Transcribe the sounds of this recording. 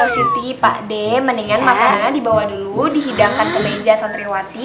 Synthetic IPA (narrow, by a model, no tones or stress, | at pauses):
asit̪ipa̰ʔdɛməniŋanmakanadibawahduludiɦidaŋkanɡəled͡ʒasant̪ɾiwat̪i